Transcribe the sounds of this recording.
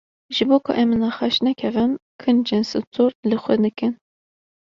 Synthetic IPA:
ʒɨboːkʰʊ̰ʔɛmɨnɑxɑʃnɛkʲʰɛvɨmkʰɨnd͡ʒensɨt̪ʰoɾlɨxʷɛd̪ɨkɨn

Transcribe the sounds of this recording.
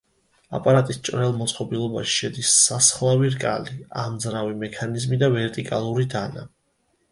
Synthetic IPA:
a̰pʼaɾat̪ʼist͡ʃʼɾɛlˠmɔt̪sʼqʼɔbilˠɔbaʃi̥ʃɛd̪isːasχlˠaviɾkʼa̰lia̰md̪zɾavimɛkʰanizmid̪avɛɾt̪ʼikʼalˠuɾid̪ana̰

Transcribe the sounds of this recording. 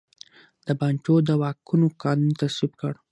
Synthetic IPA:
d̪̥əbɑnt͡ʃod̪əwɑkunokɑnunt̪aswibkəɽ

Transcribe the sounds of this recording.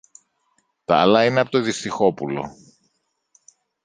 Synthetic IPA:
t̪ɐ̰ːlɐineɐpo̞t̪oðist̪ixo̞pulo̞̰

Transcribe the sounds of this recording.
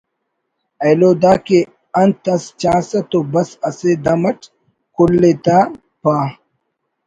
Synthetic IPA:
ɐjloːd̪aːke | ɐnt̪ɐst͡ɕaːsɐt̪obɐsɐsed̪ɐmɐʈ | kulːet̪a | paː

